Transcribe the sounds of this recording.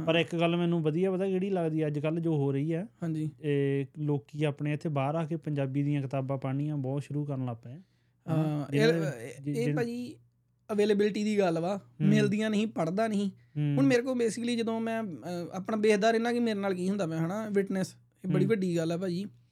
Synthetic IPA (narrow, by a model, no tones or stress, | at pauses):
pəɾɪkkəlmɛ̃ːnũːʋəd̪ijaːʋəd̪aːkeːɽiːləɡd̪iːɛːəd͡ʒkəld͡ʒoːɦoːɾəiːɛːhãːɲd͡ʒiːeːloːkiːaːpɳeːɪt̪ʰːeːbaːɾaːkeːpəɲd͡ʒaːbiːd̪ijãːkɪt̪aːbãːpaːɽ̃ijãːbɔːt̪ʃʊɾuːkəɾənlaːpɛ̃ː | ãe | eːpaːd͡ʒiː | əʋeːləːbɪlɪʈiːd̪iːɡəlʋaːmɪld̪ijãːnəɦĩːpəɽd̪aːnəɦĩː | ʊɳmeːɾeːk̬oːbeːsɪkliːd͡ʒəd̪õːmɛ̃ːa̰ːpɳaːbeːɦd̪aːɾɪnãːkimeːɾeːnaːlkiːɦʊ̃nd̪aːʋɛ̃ːɦaːɳaːʋɪʈnəs | eːbəɽiːbəɖiːɡəlɛːpaːd͡ʒiː